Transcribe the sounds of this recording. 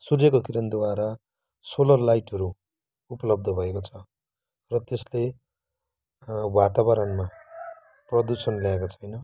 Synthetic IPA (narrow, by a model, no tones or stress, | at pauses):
surjekokiɾʌnd̪waɾa | solʌrlajʈɦʌɾu | upʌlʌb̚d̪ʱʌbʱʌekot͡sʰʌ | rʌt̪esle | wat̪aβʌɾʌnma | prʌd̪usʌnljaekot͡sʰʌjnʌ